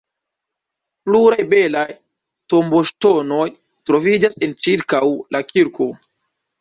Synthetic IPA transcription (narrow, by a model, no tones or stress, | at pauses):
pluɾajbe̞laj | to̞mbo̞ʃto̞no̞j | tɾo̞vid͡ʒasent͡ʃiɾkawlʔakiɾkʰo̞